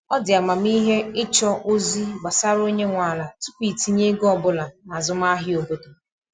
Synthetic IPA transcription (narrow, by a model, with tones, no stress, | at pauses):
ɔ˦dɪ˨a˨ma˨m˦i˦ɦe˦ɪ˦t͡ʃɔ˦ʔo˦zi˦ɡ͡ba˨sa˦ɾo˦ɲe˦ŋʷa˨la˨tʊ˦pi˨ti˦ɲe˦ɡɔ˦˨bʊ˦la˨na˨zʊ˦m˦a˦ɦɪ˦o˨bo˦do˨